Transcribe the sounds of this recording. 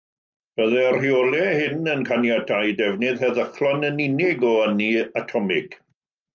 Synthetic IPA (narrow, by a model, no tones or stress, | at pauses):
b̥əðɛr̥riɔlˠɛhɪnənkʰanjadʰajdɛvnɪðhɛðəχlˠɔnənɪnɪɡɔəniatʰɔmɪɡ̥